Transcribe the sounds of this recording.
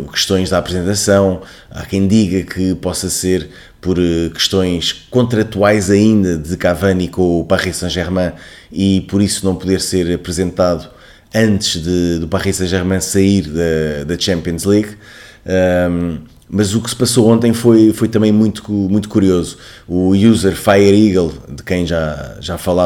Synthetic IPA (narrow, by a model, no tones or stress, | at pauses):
kɨ̥ʃt̪õj̃ʒðapɾɨzẽnt̪ɐsɐ̃w̃ | a̰kɐ̃j̃d̪iɣɐkʰɨpɔsɐseɾ | pɔɾkɨ̥ʃt̪õj̃ʃkõnt̪ɾɐt̪wajzɐĩnd̪ɐðɨkavɐnikõupaʁisɐ̃ʒɛɾmɐ̃ | ipɔɾisunɐ̃w̃puðeɾseɾɐpɾɨzẽnt̪aðu | ɐ̃nt̪ɨʒ̥ðɨd̪upaʁisɐ̃ʒɛɾmɐ̃sɐiɾðɐd̪ɐt͡ʃɛ̃mpiõzlˠiɣ | ɛ | mɐzuksɨ̥pɐsoõnt̪ɐ̃j̃fojfojt̪ɐmɐ̃j̃mũj̃t̪umũj̃t̪u̥kuɾiozu | ujuzɛɾfajɛɾiɣɐlˠd̪ɨkɐ̃j̃ʒaʒafɐlˠa